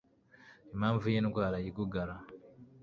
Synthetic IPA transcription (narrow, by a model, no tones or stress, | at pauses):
emaːɱvujenukwaːlajikuɡala